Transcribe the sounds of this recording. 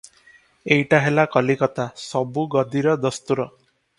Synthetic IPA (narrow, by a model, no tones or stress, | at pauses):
ejʈaɦelakɔlikɔt̪asɔbuɡɔd̪ʱiɾɔd̪ɔst̪uɾɔ